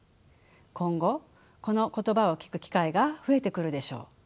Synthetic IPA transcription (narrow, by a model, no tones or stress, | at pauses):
kõ̞ŋɡo̞ | ko̞no̞ko̞t̪o̞bao̞kʲi̥kɯ̟kʲi̥kaiɡaɸɯe̞t̪e̞kɯ̟ɾɯ̟d̪e̞ɕo̞̰ː